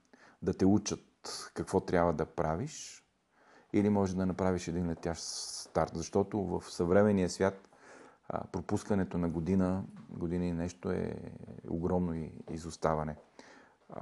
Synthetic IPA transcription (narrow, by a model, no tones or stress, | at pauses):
d̪ɐt̪ɛut͡ʃət̪kɐkvɔt̪ɾʲjabvɐd̪ɐpɾʔaviʃ | ilimɔʒɛd̪ɐnɐpɾaviʃɛd̪inlɛt̪ʲjaʃst̪aɾt̪zɐʃt̪ɔt̪ovəfsɐvɾɛmɛnijəsvʲjat̪ | pɾopuskɐnɛt̪onɐɡod̪inəɡod̪inəinɛʃt̪oɛ̰o̰ɡɾɔmnoiḭzʊst̪avɐnɛ